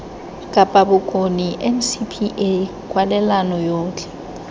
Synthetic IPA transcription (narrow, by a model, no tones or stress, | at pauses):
kʼapʼabʊkʼoniʔɛm̩sipʰiʔe | kʼwalɛlanɔjoːt͡ɬʼɛ̥